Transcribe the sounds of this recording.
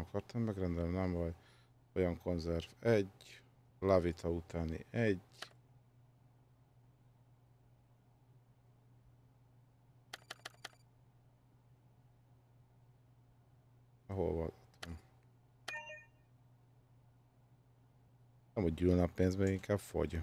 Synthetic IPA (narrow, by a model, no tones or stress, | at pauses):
ɒkʰɒrt̪ɒmːɛɡrɛnd̪ɛlnɛmɦoɟ | ojɒŋkʰo̞nzɛrvɛɟ | lɑvit̪ʰɒut̪ʰaːnḭʔɛɟ | ɛɦo̰lvɒ̰d̪ɒt̪on | ɛmhoɟɟyːlnɒpeːnzmeːɡiŋkʰaːb̥fo̞̰ɟ